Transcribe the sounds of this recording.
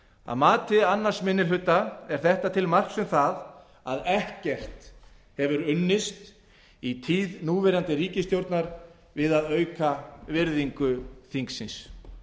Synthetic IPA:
a̰ðmaːt̪ɪanːaɾ̥smɪnːɪlʏt̪ːaɛɾ̥θɛht̪at̪ʰɪlmar̥ksʏmθað | aðɛhcɛr̥t̪ | hɛvʏɾʏnːɪst̪ | it̪ʰiːðnuːvɛɾant̪ɪɾiːcɪst̪jowɾt̪naɾ | vɪðaðœːɥkavɪɾðiŋkʏθiŋksɪns

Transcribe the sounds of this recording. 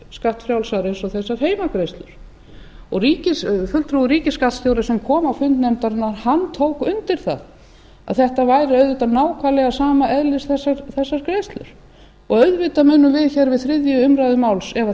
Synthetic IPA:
skaht̪fɾjawlsaɾensɔθɛsːaɾ̥ɦeːjmakɾejst̪lʏɾ̥ | ɔɣriːcɪsfʏlt̪ʰɾuɣʏɾiːcɪskat̪st̪jowɾasɛmkʰɔːmawfʏnt̪nɛmt̪aɾɪnːaɾ̥hant̪ʰoːwkʏnt̪ɪɾ̥θa̰ð | a̰ðθɛht̪avaːjɾɪœðvɪt̪anaːwkʰalɛɣasaːmaʔɛðlɪsθɛsːaɾθɛsːaɾkɾejst̪lʏ̰ɾ̥ | ɔɣœðvɪt̪amʏːnːʏmvɪðçɛɾvɪðθɾɪðjʏʏmɾajðʏmawlsɛva

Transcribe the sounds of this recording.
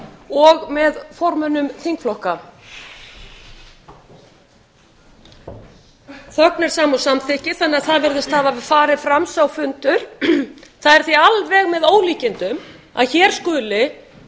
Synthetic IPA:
ɔɣmɛðfɔɾmʏnʏmθiŋkflɔhka | θœknɛɾ̥saːmɔsamθɪhcɪθɛnːaðθaðvɛɾðɪst̪haðafaːɾɪfɾamsawfʏnt̪ʏɾ̥ | θaðɛɾ̥θialvɛːɣmɛðoːwliːcɪnt̪ʏm | a̰ðçɛːɾ̥skʏːlɪ

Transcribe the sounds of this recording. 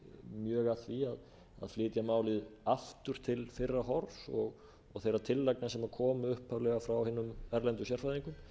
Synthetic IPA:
mjœːɣaθviað | a̰ðflɪːt̪jamaːwlɪðaft̪ʏɾ̥t̪ʰɪlfɪrːaɦɔɾsɔɣ | ɔɣθejɾat̪ʰɪlːajknasɛmaɾkʰɔːmʏʏhphavlɛɣafɾawhɪːnːʏmɛɾlɛnt̪ʏsjɛɾ̥fajðiŋkʏm

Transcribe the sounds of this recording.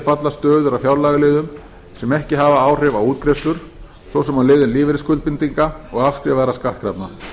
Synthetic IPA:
fat̪last̪œːðʏɾawfjawɾlaɣɪlɪːðʏm | sɛmɛhcɪɦaːvaaːwr̥ɪvawuːt̪̚kɾest̪ʏɾ̥ | svɔwsɛmalɪːðʏnliːvɪɾɪskʏlpint̪iŋkaɔɣafskɾɪvaɛɾaskaht̪̚kɾapna

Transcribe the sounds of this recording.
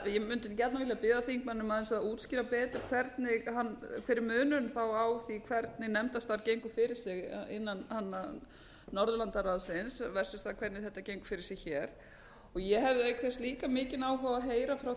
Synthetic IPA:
jɛmʏnt̪ɪncɛt̪navɪljapɪːðaθiŋk̚manːʏmaðɛnsaðuːt̪scɪːɾapɛːt̪ʏɾkʰvɛɾt̪nɪhankʰɪɾɪɾmʏːnʏnθawawθikʰvɛɾt̪nɪnɛmt̪ast̪aɾcejŋkʏfɪɾɪɾ̥sɪɣ̰ɪnːanhanːaː | ɔɾðʏlant̪araðsɪnsvɛr̥sʏst̪akʰvɛɾt̪nɪθɛht̪ːacejŋkfɪɾɪɾsɪɣçɛːɾ̥ | ɔɣjɛɦɛvðɪek̪θfɛst̪liːkamɪːcɪnaːwɦœaɦeːjɾafɾaw

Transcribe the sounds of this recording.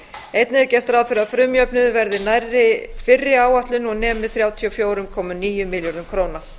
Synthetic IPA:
ejt̪nɪðɛɾcɛr̥t̪ɾaðfɪɾɪafɾʏmjœpnʏðvɛɾðɪnajrɪfɪrːɪaːwaht̪lʏnɔɣnɛːmɪθɾjaːwt̪ʰiɔfjoːwɾʏmkʰɔːmʏniːjʏmɪljɔɾnʏmkʰɾoːwna

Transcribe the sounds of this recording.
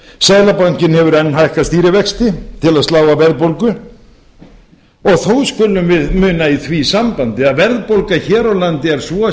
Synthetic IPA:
saːðlapaɲ̥cɪnhɛvʏɾɛnːɦajhkast̪iːɾɪvɛkst̪ɪt̪ʰɪlaðst̪laːwvavɛɾðpowlkʏ | ɔɣθowskʏlʏmvɪðmʏːnaiθvisampant̪ɪaðvɛɾðpowlkaçɛːɾawlant̪ɪɛɾ̥svɔ

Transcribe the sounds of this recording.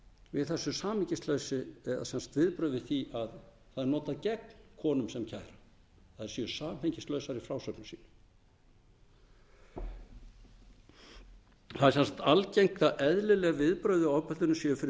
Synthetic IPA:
vɪðθɛsːʏsaːmhɪɲcɪst̪lœːɥsɪɛa̰sɛnsḁt̪vɪðpɾœɥðɪθiʔað | θaðnɔːt̪aðcɛknkʰɔːnʏmsɛmcʰaːjɾa | θaðɛɾ̥sjœsaːmheɲcɪst̪lœːɥsaɾifɾaːwsœknʏsḭːnʏ̥ | θaðɛɾsɛnsḁt̪alcejŋkaʔɛðlɪlɛɣavɪðpɾœːɥðɪɔpœlt̪ʏnʏsjœfɪɾɪ

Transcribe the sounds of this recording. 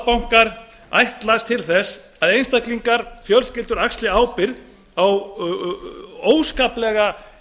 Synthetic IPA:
pawŋ̥kaɾ | a̰jht̪last̪ʰɪlθɛs | aðejnst̪akliŋkaɾ̥fjœlscɪlt̪ʏɾakst̪lɪaːwpɪɾð | aw | oːwskaplɛɣa

